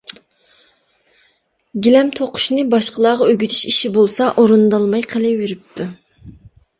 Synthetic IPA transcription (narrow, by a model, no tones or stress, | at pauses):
ɡʲilɛmt̪ʰoqʰʊ̥ʃnɨbɑʃqəlˠɑːʁɑøɡʲyt̪ʰy̥ʃiʃibolˠsɑʔoɾɨnd̪ɑlˠmɑjqʰəlɪweɾyp̚t̪ʰu